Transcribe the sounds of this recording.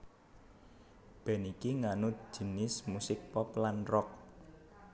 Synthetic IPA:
b̥ɛ̤nikiŋanʊ̥d͡ʒ̥i̤nɪsmusɪk̚pɔplanrɔk̚

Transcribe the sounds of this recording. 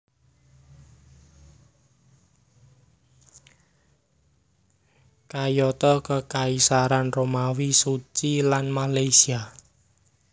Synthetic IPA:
kajɔt̪ɔkəkaisaɾanromawisut͡ʃilanmalajsia

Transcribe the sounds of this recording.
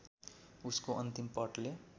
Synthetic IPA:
uskoʔʌnt̪impʌʈle

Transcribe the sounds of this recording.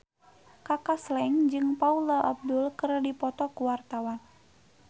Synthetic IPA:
kakaslɛnd͡ʒɨŋpaulaʔab̚dʊlkərdipɔt̪ɔkuwart̪awan

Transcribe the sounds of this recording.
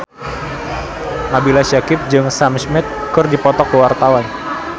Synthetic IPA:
mabilaʃakɪp̚d͡ʒɨŋsamsmɪt̪̚kʊrdipɔt̪ɔkəwart̪awan

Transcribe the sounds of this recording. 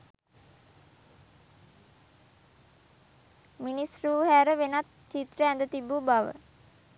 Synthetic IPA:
minisruːhæɾəʋenat̪t͡ʃːit̪rəænd̪ət̪ibubaʋə̰

